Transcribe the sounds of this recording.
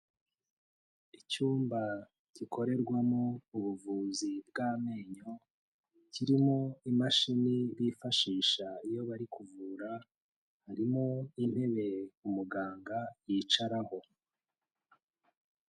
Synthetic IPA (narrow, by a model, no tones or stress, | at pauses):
icuːmba | ciko̞ɾe̞ɾɡwamouβuvuːzib̚ɡaːme̞ːɲo̞ | ciɾimoimaʃiniβifaʃiːʃaijo̞βaɾikʰuvuːɾa | haɾimoinhe̞βe̞umuɡaːŋɡajiːt͡ʃaɾaho̞